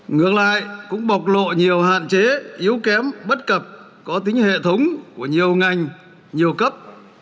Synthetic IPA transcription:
ŋɨ˨˩ək̚la̰ː˧˨jkʊ̰˧˥ŋ͡mɓa˨˩wk͡p̚lo̰˧˨ɲi˨˩əwha̰ː˧˨nt͡ɕe˨˦ʔi˨˦əwkɛ˨˦mɓə˦˥t̚kə˨˩p̚ | kɔ˨˦t̪ï˨˦ŋ̟hḛ˧˨t̪ʰə˨˦wŋ͡mku˧˩əɲi˨˩əwŋa˨˩jŋ̟ | ɲi˨˩əwkə˦˥p̚

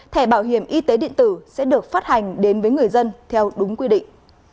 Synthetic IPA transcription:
t̪ʰɛ˧˩ɓaː˧˩wɦi˧˩əmʔi˧t̪e˨˦ɗḭ˧˨ənt̪ɨ˧˩sɛ̰˧˥ɗɨ˨˩ək̚faː˦˥t̚ha˨˩jŋ̟ɗe˨˦nvəː˨˦jŋɨ˨˩əjzə˧nt̪ʰɛ˧wɗʊ˨˦ŋ͡mkwi˧ɗḭ˧˨ŋ

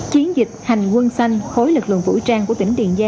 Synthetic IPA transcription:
t͡ɕi˨˦ənzi˨˩k̚ha˨˩jŋ̟kwə˧nsa˧jŋ̟xo˨˦jlɨ˨˩k̚lɨ̰˧˨ŋfṵ˧˥˩jt͡ɕaː˧ŋku˧˩ət̪ï˧˩ŋɗḭ˧˨ənzaː˧

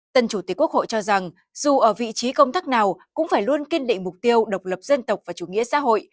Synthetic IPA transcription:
t̪ə˧˩nt͡ɕu˧˩˨kːu˦˥ək̚ho̰˧˨jt͡ɕɔ˧za˨˩ŋ | zu˨˩ʔəː˧˩vḭ˧˨t͡ɕi˨˦kə˧wŋ͡mt̪aː˦˥k̚naː˨˩wkʊ̰˧˥ŋ͡mfaː˧˩jlu˧ənki˧nɗḭ̈˧˨ŋ̟mʊ˨˩k͡p̚t̪i˧əwɗə˨˩wk͡p̚lə˨˩p̚zə˧nt̪ə˨˩w̚k͡p̚vaː˨˩t͡ɕu˧˩ŋḭ˧˥əsa̰ː˧˥ɦo̰˧˨j

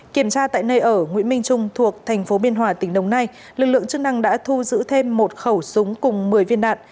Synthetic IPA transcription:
ki˧˩əmt͡ɕaː˧t̪a̰ː˧˨jnəː˧jʔəː˧˩ŋwḭ˧˥nmï˧ŋ̟t͡ɕʊ˧ŋ͡mt̪ʰu˨˩ək̚t̪ʰɛ˨˩jŋ̟fo˨˦ɓi˧ənɦwaː˨˧˩t̪ï˧˩ŋ̟ɗə˨˩wŋ͡mna˧j | lɨ˨˩k̚lɨ̰˧˨əŋt͡ɕɨ˦˥k̚na˧ŋɗa̰ː˧˥t̪ʰu˧zɨ̰˧˥t̪ʰe˧mːo˨˩t̚xə˧˩wsʊ˨˦ŋ͡mkʊ˨˩ŋ͡mmɨ˨˩əjvi˧ənɗa̰ː˧˨n

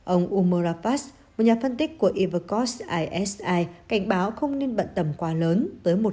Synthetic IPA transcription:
ʔə˧wŋ͡mʔu˧məː˧zaː˧faː˦˥s | mo˨˩t̚ɲaː˨˩fə˧nt̪i˦˥k̟̚kːu˧˩əʔi˧və˧˩kɔ˦˥sʔaː˧jʔɛ˦˥sʔaː˧jka˧˩jŋ̟ɓaː˨˦wxə˧wŋ͡mne˧nɓə̰˧˨nt̪ə˧˩mkwaː˨˦ləː˨˦nt̪əː˨˦jmo˨˩t̚

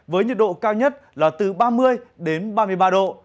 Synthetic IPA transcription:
vəː˨˦jɲi˨˩t̚ɗo̰˧˨kaː˧wɲə˦˥t̚laː˨˩t̪ɨ˨˩ɓaː˧mɨ˧əjɗe˨˦nɓaː˧mɨ˧əjɓaː˧ɗo̰˧˨

